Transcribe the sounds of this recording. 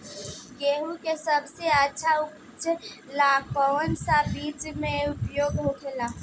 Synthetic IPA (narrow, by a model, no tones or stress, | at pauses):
ɡeːɦukesəbseətːʃʰaʊp | t͡ʃlaːk̚pəʋənsabiːd͡ʒmẽʊpjoːɡɦokʰelaː